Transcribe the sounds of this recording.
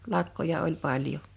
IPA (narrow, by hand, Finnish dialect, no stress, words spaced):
lɑkːojɑ olʲ pɑljo